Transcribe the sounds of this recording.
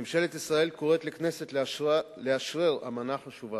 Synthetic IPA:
emʃelet̪isʁaelkoʁet̪lekneset̪ | leaʃʁeʁa̰manaχaʃuva

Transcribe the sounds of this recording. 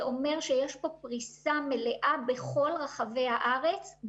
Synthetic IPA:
ʔo̞me̞ʁʃejeʃpo̞pʁisame̞leʔabe̞χo̞lʁaχave̞jhaʔaʁet͡s

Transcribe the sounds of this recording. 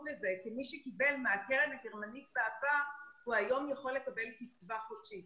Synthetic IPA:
lezekimiʃekibe̞lmeakeʁenhaɡe̞ʁmanit̪̚beapahuajo̞mjaχo̞lːekabe̞lkit͡svaχodʃit

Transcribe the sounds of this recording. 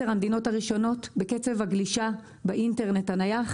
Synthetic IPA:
eʁamd̪ino̞thaʁiʃo̞no̞tbeket͡se̞vhaɡliʃa | beʔinteʁnethanajaχ

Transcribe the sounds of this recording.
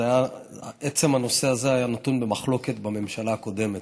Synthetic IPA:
aja | ʔet͡se̞mano̞se̞aze̞ajanat̪unbe̞maχlo̞ke̞t̪bame̞mʃalaːko̞de̞met

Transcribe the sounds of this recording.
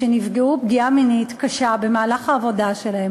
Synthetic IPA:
enifɡeubɡiaminitkaʃabe̞maːlaχaːvo̞daʃe̞lahem

